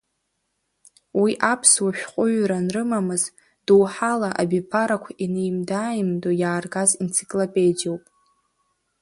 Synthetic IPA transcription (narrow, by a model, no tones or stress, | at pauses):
wiʔapʰswaʃᶣqʷʼʊɥranrɨmamɨz | d̥uwħalaʔa̰bipʰaɾakʷʰainejmdaːjmdojaːrɡazent͡sʰi̥kʼlopʼe̞d͡ʒowpʼ